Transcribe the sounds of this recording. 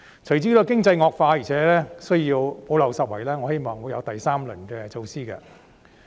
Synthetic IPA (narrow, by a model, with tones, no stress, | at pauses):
t͡sʰɵ˨˩jt͡siː˥d̪oː˨˧kɪ˥ŋt͡sɐ˧jŋɔː˧k̚faː˧jiː˨˩t͡ʃʰɛː˨˦˥lɛː˥sɵ˥ji˧wpo˨˥wlɐ˨˩wsɐ˨t̚wɐ˨˩jlɛː˥ŋɔː˨˧he˥jmɔː˨˩ŋwu˨˧˥jɐ˨˧wt̪ɐ˨jsaː˥mlɵ˨˩nkɛː˧t͡so˧wsiː˥kɐ̰˧